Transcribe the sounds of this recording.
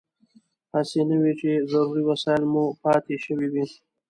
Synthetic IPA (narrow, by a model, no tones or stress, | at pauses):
hasenəwit͡ʃezaɾuɾiwasɑɪlmupɑt̪eʃəwiwi